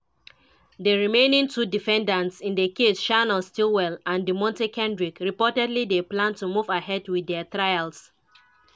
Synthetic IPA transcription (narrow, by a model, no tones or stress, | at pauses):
deɹimẽnĩŋtudifɛ̃ndãntsĩndekeʃanəstilwɛlãndimɔ̃ntekʰɛ̃ndɹikɹipɔtɛdlideplãntumuvahɛdwiðɛətɹajalˠs